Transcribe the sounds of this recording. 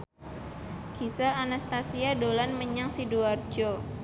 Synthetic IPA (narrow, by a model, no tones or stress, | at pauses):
kisalanast̪asiadolanməɲaŋsiduard͡ʒo